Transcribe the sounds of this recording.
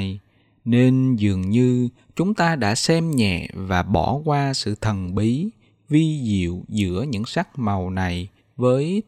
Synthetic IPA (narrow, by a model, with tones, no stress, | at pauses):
j | ne˧nzɨ˨˩əŋɲɨ˧ | t͡ɕʊ˨˦ŋ͡mt̪aː˧ɗa̰ː˧˥sɛ˧mɲɛ̰˧˨vaː˨˩ɓɔ˧˩kwaː˧sɨ̰˧˨t̪ʰə˨˩nɓi˨˦ | vi˧zḭ˧˨wzɨ̰˧˥əɲɨ̰˧˥ŋsa˦˥k̚ma˨˩wna˨˩j | vəː˨˦j